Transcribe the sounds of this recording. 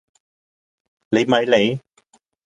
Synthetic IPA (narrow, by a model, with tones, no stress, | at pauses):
le˨˧jmɐ˨˧jle˨˧j